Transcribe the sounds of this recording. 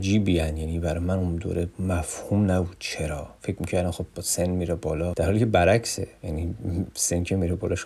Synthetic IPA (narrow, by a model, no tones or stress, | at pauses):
d͡ʒiːbiːænjæniːbæɾɒjmænund̪o̰ːɾemæfhumnæbuːd̪̥t͡ʃʰeɾɒːfe̞cʰmiːcʰæɾd̪æmxo̞bːɒsenmiːɾebɒːlɒːd̪̥æɾhɒːlikʰʲcebæɾæksejænisencʰemiɾebɒːlɒʃ